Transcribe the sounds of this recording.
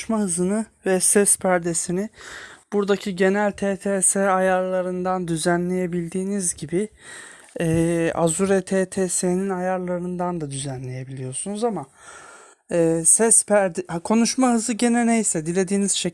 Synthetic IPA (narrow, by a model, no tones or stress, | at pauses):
ʃmahɯzɯnɯvɛsɛspʰæɾd̪e̞sinɪb̥uɾd̪acʰiɟe̞nælʲt̪ʰeːt̪ʰeːsɛajaɾlˠaɾɯnd̪and̪yzænlʲe̞je̞bilʲd̪iːnizɟibi | ɛːa̰zuɾɛt̪ʰeːt̪ʰeːseninajaɾlˠaɾɯnd̪and̪ad̪yzænlʲe̞je̞bilʲijo̞sunuzama | ɛːsɛspʰæɾd̪ɛkʰo̞nuʃmaɦɯzɯɟe̞nɛnejsɛd̪ilʲe̞d̪iːniz̥ʃe